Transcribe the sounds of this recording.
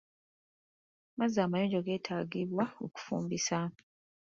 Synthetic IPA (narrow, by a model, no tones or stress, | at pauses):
mazːaːmajoːɲɟoɡe̞ːtʰaːɡiβwao̰ku̥fṵːmbisa